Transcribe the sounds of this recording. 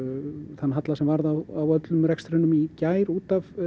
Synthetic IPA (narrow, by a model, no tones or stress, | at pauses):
θanːɦat̪lasɛmvaɾðawawœt̪lʏmɾɛkst̪ɾɪnʏmicaːjɾuːt̪av